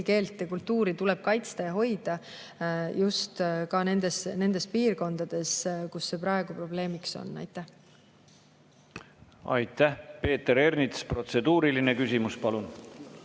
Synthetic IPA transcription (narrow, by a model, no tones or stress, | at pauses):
ke̞ːlt̪ˑːekult̪ːuːɾit̪ulɛb̥̚kɑjt̪st̪ɑjɑɦo̞jd̪̥ɑ | just̪kɑne̞nd̪̥e̞sne̞nd̪̥e̞spiːrko̞nd̪̥ɑd̪̥e̞skusːe̞prɑeɡ̥upro̞ble̞ːmikso̰nːɑ̰jt̪ːˑæh | ɑ̰jt̪ːæhpe̞ːt̪eɾe̞rnit̪spɾro̞t̪se̞d̪̥uːɾilinekysimuspɑlun